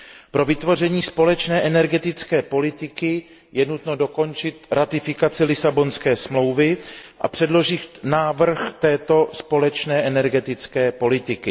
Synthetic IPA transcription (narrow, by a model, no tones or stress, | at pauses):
pɾo̞vɪt̪vo̞r̝ɛɲiːspo̞lɛt͡ʃnɛːʔɛnɛɾɡɛt̪ɪt͡skɛːpo̞lɪt̪ɪkɪ | jɛnut̪no̞do̞ko̞nt͡ʃɪt̪ɾʔat̪ɪfɪkat͡sɪlɪsabo̞nskɛːsmlo̞wvɪʔa̰pr̝̥ɛdlo̞ʒɪnaːvr̩xt̪ɛːt̪o̞spo̞lɛt͡ʃnɛːʔɛnɛɾɡɛt̪ɪt͡skɛːpo̞lɪt̪ɪkɪ